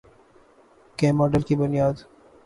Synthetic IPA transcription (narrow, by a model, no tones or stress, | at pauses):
keːmɔːɖəlkibʊnɪjaːd̪